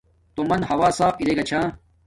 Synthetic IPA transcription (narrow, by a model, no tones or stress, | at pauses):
t̪omɐnhɐwaːsaːfilekɐt͡ɕʰaː